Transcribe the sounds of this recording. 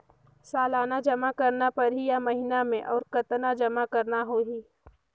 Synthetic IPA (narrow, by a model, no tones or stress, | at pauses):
saːlaːnad͡ʒɐmakɐɾnapɐɾɦijamɐɦinamẽʔɔːɾkɐt̪nad͡ʒɐmakɐɾnaɦoːɦiː